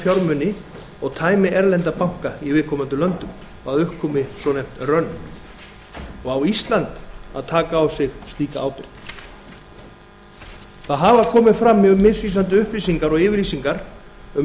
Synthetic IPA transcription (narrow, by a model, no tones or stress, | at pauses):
fjawɾmʏnɪ | ɔɣt̪ʰaːjmɪʔɛɾlɛnt̪apawŋ̥kaivɪːðkʰɔːmant̪ʏlœnt̪ʏm | ɔɣaðʏhkʰːɔmɪsɔnejm̥t̪rœnː | ɔɣawist̪lant̪aðt̪ʰaːkaːwsɪɣst̪iːka̰ʔaːwpɪɾ̥t̪ | θaðɦavaðkʰɔːmɪfɾamːʏmːɪðsviːsant̪̬ʏʏhplisiŋkaɾɔɣɪːvɪɾliːsiŋkaɾ | ʏm